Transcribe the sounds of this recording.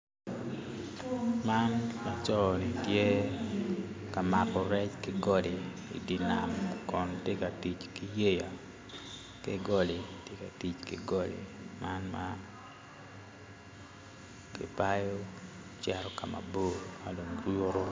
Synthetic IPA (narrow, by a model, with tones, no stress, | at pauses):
ma˦nma˦t͡ʃɔ˦ni˨tjɛ˦ | ka˨ma˨kɔ˨ɾɛ˦t͡ʃkɪɡɔ˦de˨ḭ˨di˨na̰˨mkɔ˨ntje˦ka˨ti˨t͡ʃki˦je˦ja˨ | kɪ˦ɡɔ˦le˨tje˦ka˨ti˨t͡ʃkɪ̰˨ɡɔ˦lḛ˨ | ma˦nma̰ | kɪ˨pa˦jo˦ | t͡ʃɛ˦ɾɔ˦ka˨ma̰˨bo˦˨ma˨lo˨ŋɾo˦ɾo˦